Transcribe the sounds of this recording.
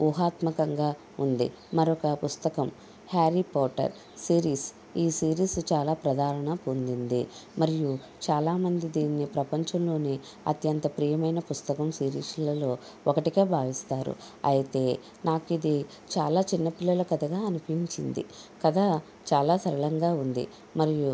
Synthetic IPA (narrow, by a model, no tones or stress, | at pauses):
uːɦaːt̪mɐkɐŋɡaː | und̪ḭ | mɐɾɔkɐpust̪ɐkɐm | haːɾipɔːʈɐ̰ɾ | siːɾiːs | iːsiːɾiːst͡ʃaːlaːpɾɐd̪ʱaːɾɐɳɐpond̪ind̪imɐɾiju | t͡ʃaːlaːmɐnd̪id̪iːnːipɾɐpɐɲt͡ʃɐmlo̞ːni | ɐ̰t̪jɐnt̪ɐpɾiːjɐmɐjnɐpust̪ɐkɐmsiːɾḭːslɐloː | ɔkɐʈike̞ːbʱaːʋist̪aːɾṵ | ɐ̰jit̪e̞ː | naːkid̪i | t͡ʃaːlaːt͡ʃinːɐpilːɐlɐkɐd̪ɐɡaːɐnupiɲt͡ʃind̪ḭkɐd̪aː | t͡ʃaːlaːsɐɾɐɭɐŋɡaːund̪ḭ | mɐɾiju